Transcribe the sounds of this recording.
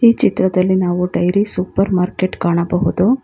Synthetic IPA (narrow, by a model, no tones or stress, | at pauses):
iːt͡ʃit̪ɾɐd̪ɐlːinaːʋuɖɐjɾisupɐɾmaːɾkeʈkaːɳɐbɐɦud̪u